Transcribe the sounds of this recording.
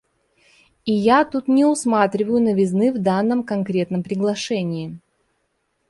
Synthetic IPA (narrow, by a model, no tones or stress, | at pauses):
ɪjat̪ut̪nʲɪʊsmat̪ɾʲɪvəjʊnəvʲɪznɨvd̪anːəmkɐnkɾʲe̞t̪nəmpɾʲɪɡlˠɐʂɛnʲɪː